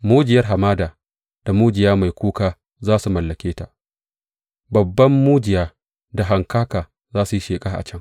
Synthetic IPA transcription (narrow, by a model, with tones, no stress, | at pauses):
muː˦d͡ʒɪ˨jɐ˦rɦa˨maː˦daː˨ | d̥a˨muː˦d͡ʒɪ˨jaː˦ma˨jkʷuː˦kaː˦ | zaː˦su˨mɐ˨lːɐ˨kʲeː˦ta˨ʔ | bɐ˨bːɐ˦mːuː˦d͡ʒɪ˨jaː˦ | da˨ɦa˨ŋkaː˦kaː˨ | zaː˦su˨ji˦ʃeː˨kʼa˦ʔa̰˨t͡ʃɐ˦ŋ